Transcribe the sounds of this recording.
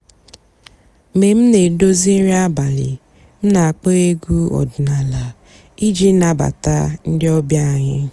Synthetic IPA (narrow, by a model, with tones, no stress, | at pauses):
me˨m̩˦ne˨do˦zi˦n̩˦ɾi˦a˦ba˨lɪ̰˨ | m̩˦na˨a˨k͡pe˦e˦ɡu˦ɔ̰˨dʊ˨na˨la˨ | i˦d͡ʒi˦na˨ba̰˨ta̰˦n̩˦dɪ˦ɔ˦bja˦a˨ɲɪ˦